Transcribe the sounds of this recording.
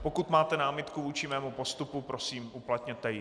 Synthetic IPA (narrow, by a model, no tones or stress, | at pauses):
po̞kut̪maːt̪ɛnaːmɪt̪kuvuːt͡ʃɪmɛːmupo̞st̪upupɾo̞siːmʔuplat̪ɲɛt̪ɛjɪ